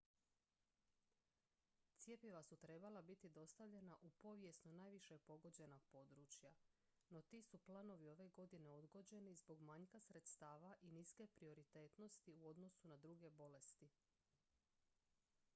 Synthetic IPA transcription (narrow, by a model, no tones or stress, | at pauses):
t̪sje̞pjiʋasut̪ɾe̞balabit̪id̪o̞st̪aʋʎe̞naʔupo̞ʋje̞snunaːjʋiʃepo̞ɡo̞d͡ʑe̞noɡ̚po̞ːd̪ɾut͡ɕja | no̞t̪iːsuplˠano̞ʋio̞ʋe̞ɡo̞d̪ine̞o̞d̪ɡo̞d͡ʑe̞nizbo̞ɡmaɲkasɾe̞t̪st̪aːʋaʔiniske̞pɾio̞ɾit̪e̞ːt̪no̞st̪iuo̞d̪no̞sunad̪ɾuɡe̞bo̞le̞st̪i